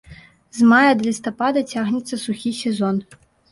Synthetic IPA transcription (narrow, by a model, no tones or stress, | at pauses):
zmajɐd̪lʲist̪ɐpad̪ɐt͡sʲaɣnʲɛt̪sːɐsuxʲisʲɛzɔn